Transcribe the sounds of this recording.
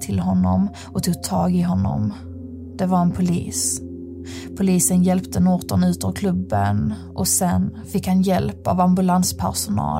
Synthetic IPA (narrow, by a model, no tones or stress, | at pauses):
t̪ʰɪlɦɔnːɔm | ɔt̪ʰuːɡ̚t̪ʰɑːɡɪɦɔnːɔ̰m | d̪̥ɛvaɾɛnpʰʊlḭːs | pʰʊliːsənjɛlpt̪ʰənɔːt̪ənʉ̟ːt̪ɔkʰlɵbːən | ʔɔsɛnfɪkhanjɛlpa̰vambɵlanspʰæ̰ɾʂʊnɑ̰ː